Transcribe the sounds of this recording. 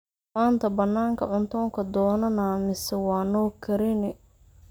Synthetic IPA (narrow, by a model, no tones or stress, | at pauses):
maːnt̪ʰɐbɐnːaːŋkʰɐ̰ʕʊnt̪ʰɔːŋkʰɐd̪ɔːnɐnaːmɪsɛwɑːnɔːkʰɐɾɪnɪ